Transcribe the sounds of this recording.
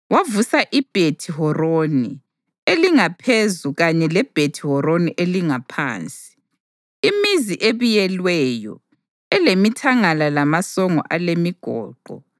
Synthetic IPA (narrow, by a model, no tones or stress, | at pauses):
wavusaʔib̥ʱetʰiɦɔroni | eliŋapʰezuɣaɲɛlɛb̥ʱetʰihɔɾoniʔeliŋapʰa̰ːnt͡sʼi̥ | imiziʔeβujɛlwɛjɔ̰ | ɛlemitʰaŋalalamasɔŋɔ̰ʔalemiɡ̥ʱɔ̰ːǃɔ̰